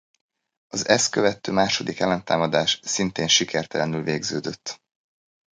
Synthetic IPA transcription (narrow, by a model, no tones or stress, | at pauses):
ɒzɛskøvɛt̪ːøːmaːʃo̞d̪ikɛlːɛnt̪aːmɒd̪aːʃsint̪eːnʃikʰɛrt̪ɛlɛnylveːɡzøːd̪øt̪ː